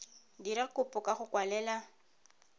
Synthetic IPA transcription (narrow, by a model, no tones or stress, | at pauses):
diɾakʊpʼʊkaχʊkwalɛːla